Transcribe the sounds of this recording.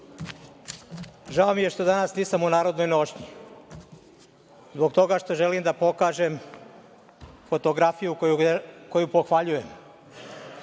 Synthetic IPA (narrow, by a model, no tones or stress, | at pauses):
ʒaomije̞ʃt̪o̞d̪anasniːsamunaːɾo̞d̪no̞jno̞ʃɲi | zbo̞ɡt̪o̞ɡaʃt̪o̞ʒelimd̪apo̞kaːʒem | fo̞t̪o̞ɡɾafijukkojupo̞xʋaʎuje̞m